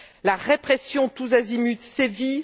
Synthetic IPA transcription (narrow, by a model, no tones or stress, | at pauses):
laʁepχɛsjɔ̃t̪uzazimyt̪sevi